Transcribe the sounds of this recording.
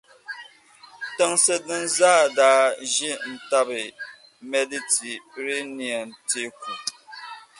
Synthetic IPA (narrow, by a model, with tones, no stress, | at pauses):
tɛ˦ŋsɨ˦dɨ˦nzaː˦˨daː˦ʒɛ˦n̩˨ta˦bɨ˨ | mɛ˦di˦ti˨ɾe˦ni˨a˨nte˦ku˨